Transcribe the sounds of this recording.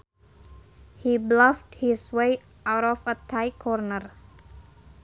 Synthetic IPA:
hiblafthiswej | ʔawɾɔfətʰajkʰɔrnər

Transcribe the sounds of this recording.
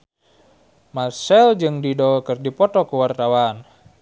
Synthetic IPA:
masɛld͡ʒɨŋdidɔkɨrdipɔt̪ɔkuwart̪awan

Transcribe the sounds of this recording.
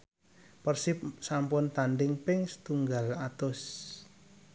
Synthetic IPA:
pərsipsampʊnt̪anɖɪŋpɪŋst̪uŋɡalat̪ʊs

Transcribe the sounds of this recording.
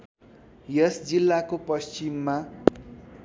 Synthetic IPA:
jʌsd͡zilːakopʌst͡simːa

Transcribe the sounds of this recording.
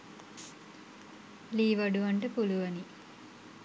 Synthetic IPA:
liːʋɐɖuʋɐɳʈəpuluʋɐni

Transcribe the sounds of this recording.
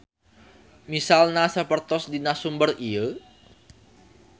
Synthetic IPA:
misalnasəpərt̪ɔsdinasumbəriə

